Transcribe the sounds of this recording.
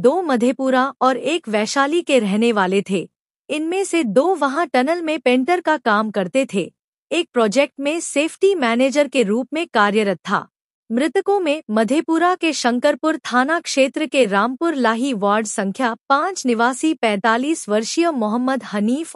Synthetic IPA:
d̪oːmɐd̪ʱepuːɾaɔːɾeːkʋɛːʃaːlikeɾɛɦneʋaːlet̪ʰeː | ɪnmẽsed̪oːʋɐɦãʈɐnəlmẽpẽːɳʈəɾkakaːmkɐɾt̪et̪ʰeː | eːk̚pɾɔːd͡ʒeːk̚ʈmẽseːfʰʈimɛːneːd͡ʒəɾkeɾuːpmẽkaːɾjəɾət̚t̪ʰːa̰ː | mɾɪt̪əkõmẽmɐd̪ʱepuːɾakeʃɐ̃ŋkəɾpʊɾt̪ʰaːnakʃeːt̪ɾəkeɾaːmpʊɾlaːɦiʋaːɾɖsɐ̃ŋkʰjapãːt͡ʃnɪʋaːsipɛ̃ːt̪aːliːsʋɐɾʃijəmʊɦəmːəd̪hɐniːf

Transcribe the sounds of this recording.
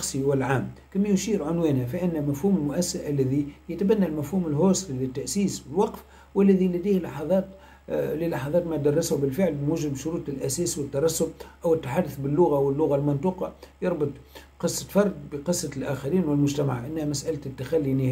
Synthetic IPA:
ɑxsˤiwɪlʕaːmkæmːæjʊʃiːɾʕʊnwɛːnhæfiʔɪnːmæfhuːmɪlmʊʔæsːaʔælːæðijɪt̪bænːælmæfhuːmɪlɦoːsˤɾilɪt̪ːaʔsiːswɪlwɑqf | wɪlːæðilæd̪iːhlɑħɑðˤɑːt̪ | lilɑħɑðˤɑːt̪mæd̪ɑrˤːɪshʊbɪlfɪʕlmuʒɪbʃʊɾuːt̪ˤɪlʔæsɛːswɪt̪ːɑɾˤɑsːʊb̚ʔæwɪt̪ːaħad̪ːʊθbɪlːʊɣawɪlːʊɣalmɑnt̪uːqɑjɑɾˤbʊt̪ˤqɨsˤːɑ̥fɑɾˤd̪̚bəqɨsˤːɑlʔæːxaɾiːnwɪlmʊʒt̪ama̰ʕʔɪnːhæmæsʔalt̪t̪ːaxalːinɪh

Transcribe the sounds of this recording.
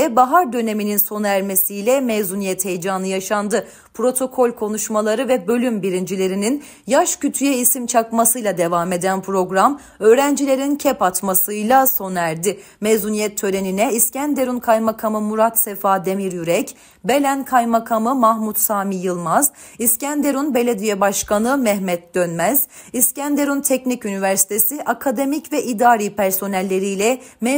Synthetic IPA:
ɛbaɦaɾd̪ø̞ne̞mininso̞næɾme̞sijlʲɛmezunijɛt̪he̞jd͡ʒaːnɯjaʃand̪ɯ | pʰɾo̞t̪ʰo̞kʰo̞lʲkʰo̞nuʃmalˠaɾɯvɛbø̞lʲymbiɾind͡ʒilʲe̞ɾinin | jaʃcyt̪ʰyjɛisimt͡ʃʰakmasɯjlˠad̪e̞vaːme̞d̪ænpʰɾo̞ɡɾam | ø̞ːɾænd͡ʒilʲe̞ɾincʰɛpat̪masɯjlʲˠaso̞næɾd̪ɪ | mezunijɛt̪ʰːø̞le̞ninɛiscænd̪e̞ɾunkʰajmakʰamɯmuɾat̪sefaːd̪e̞miɾjyɾɛc | be̞lʲænkʰajmakʰamɯmahmut̪saːmijɯlˠmaziscænd̪e̞ɾunbe̞lʲed̪ijɛbaʃkʰanɯmɛhmɛt̪̚d̪̥ønmæz̥iscænd̪e̞ɾunt̪ʰɛcnicynivæɾsi̥t̪ʰesiʔakʰad̪e̞micvɛʔid̪aːɾiːpʰæɾso̞nælʲːe̞ɾijlʲɛmɛ

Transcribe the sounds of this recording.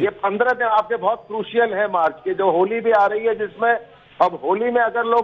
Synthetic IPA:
jeːpɐ̃nd̪ɾə̃mẽaːp̚kebɔːt̪̚kɾuːʃijəlɦɛ̃maːɾt͡ʃked͡ʒoːɦoːlibʱiaːɾɐɦiɦɛd͡ʒɪsmẽ | ɐbɦoːlimẽɐɡəɾloː

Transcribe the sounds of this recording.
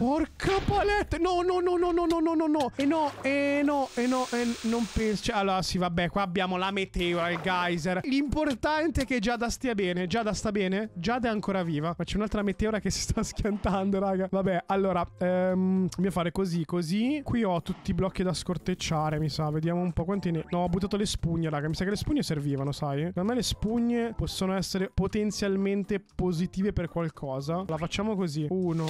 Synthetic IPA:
porkʰapalɛt̪ːnɔnɔnɔnɔnɔnɔnɔnɔnːɔenːɔenɔenːɔʔenːompɛnso̥t͡ʃɛalːoːɾasivabːɛkwaːabːjaːmolamet̪ɛoɾailɡajzerlimport̪ant̪eɛked͡ʒad̪ast̪iːabɛːned͡ʒad̪ast̪abɛːned͡ʒad̪ɛaŋkoːɾaviːvamat͡ʃɛunalt̪ɾamet̪eːoɾakesi̥st̪askjant̪and̪oɾaːɡavabɛʔalːoːɾaɛmmiafaːɾekozikozikwiɔt̪ːut̪ːiblɔkːid̪askort̪et͡ʃːaːɾemisaved̪jaːmoumpɔkwant̪einenɔɔbːut̪ːaːt̪̬olespuɲːeɾaːɡamisakelespuɲːeserviːvanosajamajlespuɲːepɔsːonoɛsːeɾepot̪ent̪sjalment̪epozit̪iːveperkwalkʰɔːzalafat͡ʃːaːmokoziuːno

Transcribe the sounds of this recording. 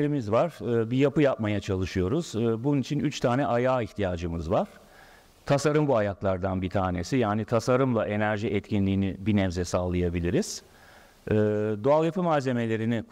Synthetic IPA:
ɾimizvaɾ̥ɯbijapɯjapmajat͡ʃʰalˠɯʃɯjo̞ɾuz̥bununit͡ʃʰinyt͡ʃt̪ʰaːnɛʔajaːiçt̪ʰijaːd͡ʒɯmɯzvaɾ̥ | t̪ʰasaɾɯmbuajaklˠaɾd̪anbit̪ʰaːne̞sijaːnit̪ʰasaɾɯmlˠaʔe̞næɾʒiʔɛt̪cʰinlʲiːnibinɛvzɛsaːlˠɯjabilʲiɾiz̥ | ɛːd̪oalˠjapɯmaːze̞me̞lʲe̞ɾinɪ

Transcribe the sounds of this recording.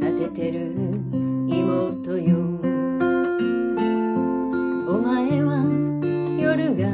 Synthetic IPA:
at̪et̪e̞ɾɯ | imot̪ojɯ | omaeβa | joɾɯ̟ɡa

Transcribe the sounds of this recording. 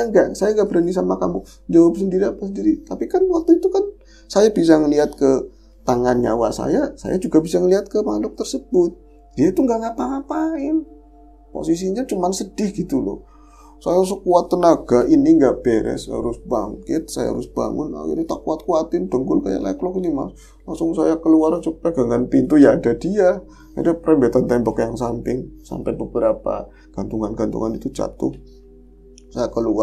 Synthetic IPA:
ŋɡaʔsajaŋɡaʔbəɾanisamakamʊ | d͡ʒawap̚səndiɾiapasəndiɾit̪apikanwat̪ːuit̪ukan | sajabis̬aŋəliɦat̪̚kə | t̪aŋanɲa̰wasa̰jasa̰jad͡ʒuɡabisaŋəliɦat̪̚kəpandɔk̚t̪ərsəbʊt̪̚ | diait̪uŋɡaʔŋapaŋapaɪn | po̰sis̬iɲat͡ʃumansəd̥ɪhɡit̪ulɔ̰ | sajas̬okuat̪ːənaɡ̥aʔiniŋɡaʔb̥eɾɛ̰sa̰ɾʊsb̥aŋkɪt̪̚saja̰ɾʊsb̥a̰ŋʊna̰kḭrɲat̪aʔkuat̪̚kuat̪ɪnd̥əŋɡʊlkaja̰la̰jaklɔkinima̰ | laŋsʊŋsajakəluaɾansupaɡ̥aŋanpint̪ujaːdadia | a̰dapɾɛmbet̪ant̪ɛmbɔkjaŋsampɪŋsa̰mpɛbəbəɾapa̰ | ɡ̥ant̪uŋanɡant̪ṵŋanit̪ud͡ʒa̰t̪ʊ̰ | sajakəlua

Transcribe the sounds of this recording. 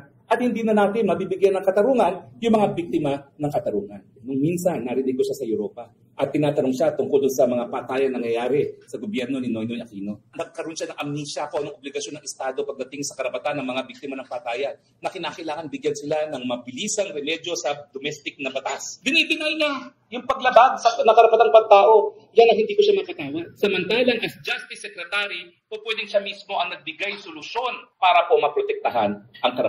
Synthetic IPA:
ʔɐt̪̚hɪnd̪iːnɐnaːt̪ɪnmɐbibɪɡjanɐŋkɐt̪ɐɾuːŋɐnjʊŋmɐŋabik̚t̪ɪmanɐŋkɐt̪ɐɾuːŋɐnːʊŋminsɐnːɐɾɪnɪɡoʃasɐjʊɾo̞ːpɐ | ʔɐt̪̚kɪnaːt̪ɐɾoŋʃat̪ʊŋkold̪ʊnsɐmɐŋapaːt̪aːjɐnnɐŋjɐjaːɾɛsɐɡobjɛɾno̞nɪnojnojɐkiːno̞nɐɡ̚kɐɾo̞nʃanɐŋʔɐmniːʃakoʔɐnoŋʔoblɪɡɐʃjo̞nɐŋɛst̪aːd̪opɐɡ̚d̪ɐt̪ɪŋsɐkɐɾɐpɐt̪anːɐŋmɐŋabik̚t̪ɪmanɐŋpɐt̪aːjɐnːɐkɪnaːkɐɪʔlaːŋɐnbɪɡjansɪlanɐŋmɐbɪliːsɐŋɾɛmɛd̪jo̞sɐd̪omɛst̪ɪk̚nɐbɐt̪asbɪnɐjbɪnajna | jʊŋpɐɡlɐbaɡ̚sɐnɐkɐɾɐpɐt̪aŋpɐɡ̚t̪aːʔo̞ | janːɐŋhɪnd̪iːkoʃamɐpɐt̪aːwansɐmɐnt̪aːlɐŋʔɛsd͡ʒast̪ɪsːɛkɾɛt̪aɾi | popwɛd̪ɪŋʃamismo̞ʔɐŋnɐɡ̚bɪɡajsolʊʃo̞npaːɾɐpo̞mɐpɾot̪ɛk̚t̪ɐɦanʔɐŋkɐɾɐ

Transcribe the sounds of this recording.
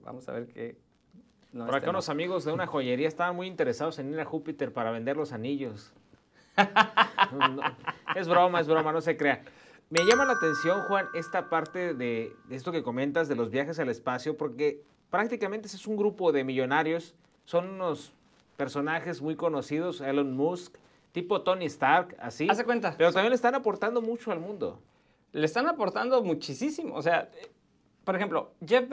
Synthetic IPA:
ba̰mosa̰βeɾke | oɾakaunosamiɣo̞zðe̞unaxo̞ʝe̞ɾiaest̪aβanmujint̪e̞ɾe̞sað̞o̞se̞niɾaxupit̪e̞ɾpaɾaβend̪eɾlo̞saniʝo̞s | onezβɾo̞maezβɾo̞mano̞s̬e̞kɾe̞a | me̞ʝamanlaːt̪e̞nsjo̞nxwane̞st̪apaɾt̪e̞ðees̬t̪o̞ke̞ko̞mẽ̞nt̪azðe̞lo̞zβjaxe̞s̬ale̞spasjo̞po̞ɾke̞ | pɾak̚t̪ikament̪e̞siesuŋɡɾupo̞ðe̞miʝo̞naɾjo̞sː | o̞nuno̞s | pe̞ɾso̞naxe̞zmujko̞no̞sið̞o̞selonmusk | t̪ipo̞t̪o̞nist̪aɾka̰sisekwent̪apeɾot̪amjenlest̪anapo̞ɾt̪and̪o̞mut͡ʃoalmũnd̪o̰ | lest̪anapo̞ɾt̪and̪o̞mut͡ʃisisimo̰osea | poɾexe̞mplo̞d͡ʒe

